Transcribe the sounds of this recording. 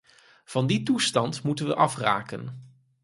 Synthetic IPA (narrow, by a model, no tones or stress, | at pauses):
v̥ɑnditustɑntmutənʋəʔɑfra̰ːkə̰n